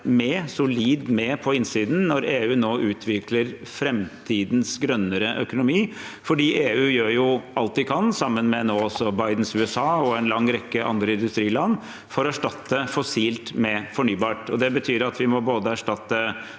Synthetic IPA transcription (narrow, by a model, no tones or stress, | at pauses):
mɛsʊliːd̪mɛpʰɔɪnsiːd̪n̩ːɔɾeːʉːnoːʔʉːt̪ʰʋɪkləɾ | fɾɛmt̪ʰiːd̪n̩sɡɾœnːəɾəʔœ̰kʊnʊmiː | fɔɖiːʔeːʉːjøːɾjʊʔɑlt̪ʋɪkʰɑnsɑmːənmɛnoːɔsɔbɑɪd̪n̩sʉːɛsɑːɔɛnlɑŋːɾɛkːəʔɑ̰nd̪ɾəɪnd̪ʉst̪ɾiːlɑnː | fɔɾɔæʂʈɑt̪ːəfɔsiːlt̪mɛfɔɳyːbɑːʈɔd̪ɛbət̪ʰyːɾɑt̪ʋɪmɔboːd̪əæʂʈɑt̪ːə